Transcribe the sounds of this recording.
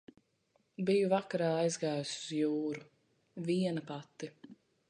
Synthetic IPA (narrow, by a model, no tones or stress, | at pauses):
bijuvakaɾaːajzɡaːjusuz̥juːɾu | viɛnɐpat̪ːi